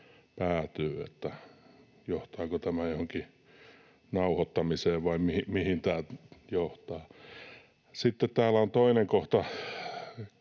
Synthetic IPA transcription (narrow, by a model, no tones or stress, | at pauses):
pæːt̪yːḛt̪ːæ | joht̪ɑːkot̪æmæjohoŋki | nɑuhot̪ːɑmiseːʋʋɑimihimihint̪æːlt̪joht̪ɑː | sit̪ːet̪t̪æːlæont̪oineŋkoht̪ɑ